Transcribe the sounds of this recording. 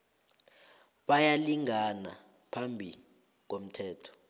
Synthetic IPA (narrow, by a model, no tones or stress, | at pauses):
ɓajaliŋana̰ | pʰambʱi | k̬om̩tʰɛːtʰɔ̥